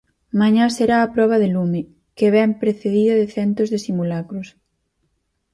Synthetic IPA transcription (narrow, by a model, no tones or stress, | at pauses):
maɲaseɾaːpɾɔβ̞ɐðelumɪ | keβɛmpɾeθeðiðɐðɪθɛnt̪ʊzðesimulakɾʊs